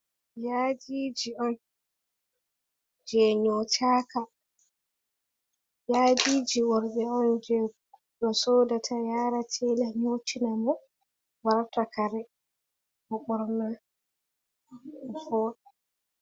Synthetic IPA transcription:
jad͡ʒiːd͡ʒiɔn | d͡ʒɛɲotʰaːka | jaːd͡ʒiːd͡ʒiwɔɾɓɛɔnd͡ʒɛ | ɗɔsɔːdatʰajaːɾatʰɛlɛɲotinamɔ | waɾtakaɾɛ | bɔɓɔɾna | ɔfɔːɗɛ

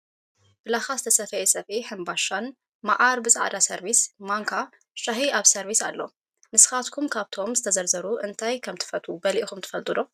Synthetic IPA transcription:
b̥ɨlaxazɨt̪ʰɐsɐfɐjesʼɐfiħɨmbaʃan | maʔaɾbɨsʼa̰ʕd̪asɐɾβismaŋkʰa | ʃahiaβsɐɾβisalːo̰ | nɨsɨ̥xat̪kʰumkʰaβt̪ʰo̞mzɨt̪ʰɐzɐɾzɐɾuʔɨnt̪ʰajkʰɐmt̪ʰɨ̥fɐt̪ʼubɐliʔixumt̪ʰɨ̥fɐlt̪ʼɨlo

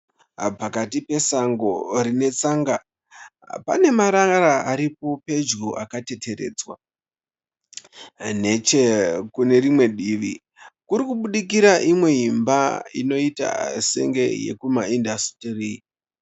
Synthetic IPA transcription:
pakatipe̞saŋɡo̞rine̞t͡saːŋɡa | pa̰ne̞maɾaaɾaaɾipo̞pe̞d͡ʒɡuʔa̰kate̞te̞ɾe̞̰ːd͡zwa̰ | ne̞t͡ʃekune̞rimwe̞ɗiːʋi | kuɾikuɓuɗik̬iɾaʔimwe̞ɦimbaḭno̞ita̰se̞̰ŋɡe̞jḛkumaindasterii

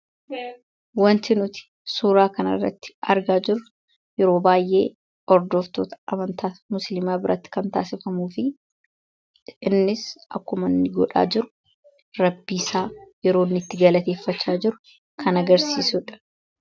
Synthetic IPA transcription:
wɐnt̪ɪnʊt̪ɪ̥ | suːɾaːkɐnɐ̰rːɐ̰t̪ːɪ̥ɐ̰ɾɡaːd͡ʒɪɾʊ | jɛɾo̞ːbaːjʔe̞ː | ɔɾd̪ɔft̪o̞ːt̪ɐ̥ɐmɐnt̪aːmʊslɪmaːbɪɾʔɐ̰t̪ːɪ̥kɐnt̪a̰ːsɪfɐmuːfɪ | ɪnːɪsʔɐ̰kːʊmɐnːɪɡɔᶑa̰ːd͡ʒɪɾʊ̥ | ɾɐbːiːsaːjɛɾo̞ːnːɪt̪ːɪɡɐlɐt̪eːfːɐt͡ʃːaːd͡ʒɪɾʊ | kʰɐnɐɡɐɾsiːsʊᶑɐ̥

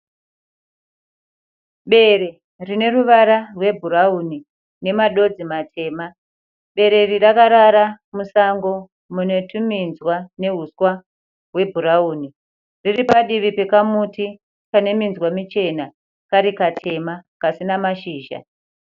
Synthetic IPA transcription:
ɓe̞ɾe̞ | rine̞ruʋaɾarwe̞bʱuɾauni | ne̞maɗo̞d͡zimatʰe̞ːma | ɓe̞ɾe̞rirakaɾaɾa | musaŋɡo̞ | mune̞tʰuminzwane̞ɦuswa | ɦwe̞bʱuɾauːni | riripaɗiʋipe̞kamuti | kane̞minzwamit͡ʃe̞na | kaɾikatʰe̞makasinamaʃiːʒa̰

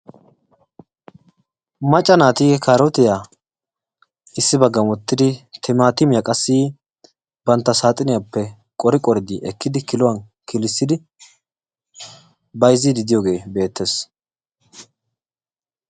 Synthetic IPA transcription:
mɐt͡ʃʼːɐnaːt̪iːɡɛkʰaːɾɔt̪ɪja | ɪsːɪbɐɡːɐmwɔt̪ːɪd̪ɪt̪ʰɛmaːt̪ɪmɪjakʼɐsːiː | b̥ɐnt̪ːɐsaːt̪ʼɪnɪjapːɛ | kʼɔɾɪkʼɔɾɪd̪iʔɛkːɪd̪ɪkɪlʊwɐn | kɪlɪsːɪd̪ɪ | bɐjzɪd̪ɪd̪ɪjoːɡe̞ːbe̞ːt̪ːes

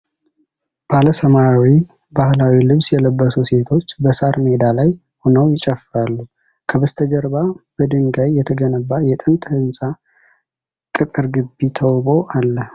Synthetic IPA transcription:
b̥aləsəmajawi | bahlawilɨβsjɛləbːəsuse̞t̪ʰo̞t͡ʃːbəsaɾmed̪alaj | honəwjɪt͡ʃʼəfːɨɾalːu | kʰəβəst̪ʰəd͡ʒəɾbab̥əd̪ɨŋɡajːɛt̪ʰəɡənəbːajɛt̪ʼɨnt̪ʰʼəhɨnsʼa | kʼɨt̪ʼɨɾɡɨbːit̪ʰəwbo̞ʔalːə

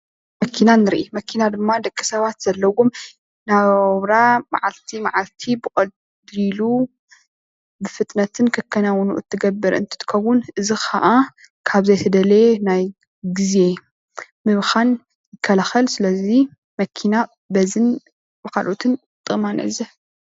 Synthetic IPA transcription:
mɐkʰːinanɨɾʔimɐkʰːinad̪ɨmːad̪ɐkʼːisɐβat̪z̥ɐlːɐwom | naββɾama̰ʕalt̪ʰimaʕalt̪ʰibɨxʼɐl | dlu | bɨfɨt̪ʼnɐt̪ʰɨnkʰɐkʰːɐnawnuʔɨ̰t̪ʰːɨɡɐbːɨɾɨ̰nt̪ʰɨ̥t̪ʰɨ̥kʰɐwʊnʔɨzixʰa̰ʔa | kʰaβzɐjt̪ʰɐd̪ɐle̞naj | ɡize̞ | mɨβxan | jɪkʰːɐlaxɐlsɨlɐzi | mɐkʰina | bɐzɨn | bɨkʰalʔot̪ʰɨn | t̪ʼɨmanɨ̰ɨzɐ

